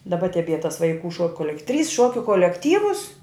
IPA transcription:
dɐˈbɐ tʲɛˈbʲiɛ tɐs ʋɐɪˈkuː ʃoːk koːˈlʲɛk tʲrʲiːs ˈʃuɔkʲʊ koːlʲɛkˈtʲiːʋʊs

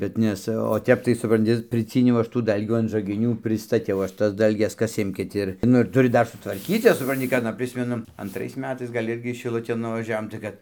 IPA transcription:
bʲɛt ˈnʲɛs oː ˈtʲɛp tɐɪ sʊprɐnʲˈtʲɪ pʲrʲɪˈt͡sʲiːnʲɛʊ ˈɐʃ tuː ˈdɐlʲɡʲuː ɐn ʒɐɡʲɪˈnʲuː pʲrʲɪstɐˈtʲɛʊ ˈɐʃ ˈtɐs ˈdɐlʲɡʲɛs ˈkɐs ˈɪmʲkʲɪt ˈɪr ˈnʊ ɪr tʊˈrʲɪ ˈdɐr sʊtʋɐrʲˈkʲiːt ˈjɛs sʊprɐnʲˈtʲɪ kɐ ɐˈnɐ ˈpʲrʲɪsʲmʲɛnʊ ɐntˈrɐɪs ˈmʲæːtɐɪs ɡɐlʲ ˈɪrʲɡʲɪ ʃʲɪˈlˠʊtʲeːn nʊʋɐˈʒʲæːʋoːm tɐɪ ˈkɐt

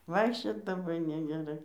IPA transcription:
ˈʋɐɪkʃʲt͡ʃʲoːt lˠɐˈbɐɪ nʲɛɡʲɛˈrɐɪ

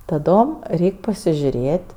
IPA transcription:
tɐˈdoːm ˈrʲɛɪkʲ pɐsʲɪʒʲʊˈrʲeːtʲ

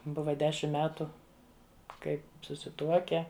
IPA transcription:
ˈbʊʋɐ ˈdʲæːʃʲɪm ˈmʲæːtʊ ˈkɐɪ sʊsʲɪˈtuɔkʲɛ

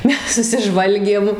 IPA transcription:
ˈmʲɛs sʊsʲɪˈʒʋɐlʲɡʲeːm

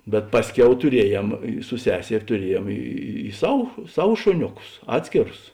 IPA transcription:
bʲɛt ˈpɑːsʲˌkʲɛʊ tʊˈrʲiɛjɛm ɪ sʊ ˈsʲæːsʲɛrʲ tʊˈrʲiɛjeːm ˈiː ˈsɐw ˈsɐw ˈʃoːnʲʊˌkʊs ˈɑːtʲsʲkʲeːrʊs

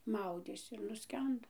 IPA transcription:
ˈmɐʊdʲeːsʲɪ ɪr nʊˈsʲkʲɛndoː

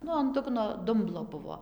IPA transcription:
ˈnʊ ɐn ˈdʊɡnoː ˈdʊmblˠoː ˈbʊʋoː

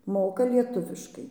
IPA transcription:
ˈmoːkɐ ˈlʲiɛtʊʋʲɪʃkɐɪ

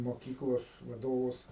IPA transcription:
moːˈkʲiːklˠoːs ʋɐˈdoːʋʊs

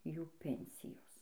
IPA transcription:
ˈjuː ˈpʲɛnʲsʲɪjoːs

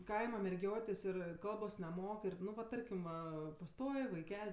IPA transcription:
ˈkɐɪmɐ mʲɛrʲˈɡʲoːtʲeːs ˈɪr ˈkɐlˠboːs nʲɛˈmoːk ˈɪr ˈnʊ ʋɐ ˈtɐrʲkʲɪm ˈʋɐ pɐˈstoːj ʋɐɪˈkʲɛlʲ

